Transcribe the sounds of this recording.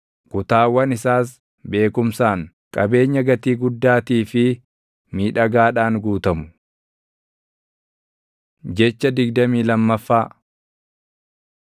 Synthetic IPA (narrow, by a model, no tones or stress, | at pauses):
kʊt̪aːwɐnɪsaːs̬ | be̞ːkʊmsaːŋ | kʼɐbe̞ːɲːɐɡɐt̪iːɡʊd̪ːaːt̪iːfɪ | miːᶑɐɡaːᶑaːŋɡuːt̪ɐmʊ̥ | d͡ʒɛt͡ʃːɐd̪ɪɡd̪ɐmiːlɐmːɐfːaː